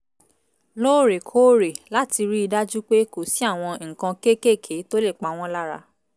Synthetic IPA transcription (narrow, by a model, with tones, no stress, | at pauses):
lo˦˨ɾe˨kʰo˦ɾe˨la˦ti˧ɾi˦i˧da˦d͡ʒu˦k͡pe˦ko˨si˨˦a˦˨w̃ɔ̃˧ŋ̩˨kã˧ke˦ke˦˨kʰe˨˦to˦le˦˨k͡pa˨w̃ɔ̃˦la˦ɾa̰˧